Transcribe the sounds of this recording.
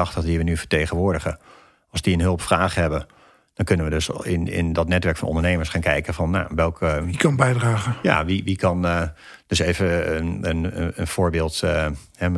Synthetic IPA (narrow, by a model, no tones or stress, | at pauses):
ɑχtəχdiʋənyfə̥ɹtejχənʋʊːɹdəχə | ɑlˠsdiənɦɵlˠpfraːχɦɛbə | d̥ɔnkɵnənʋədøsɪnɪ̰ndɔtnɛtʋɛɹkfɑnʔɔ̰ndəɹnejməɹsχaːnkɛjkəvɑnːa̰ʋɛlˠkknbɛjdraːχəja̰ʋiʋikɑn | d̥øsevəənənfoːɹbɪːlˠthɛ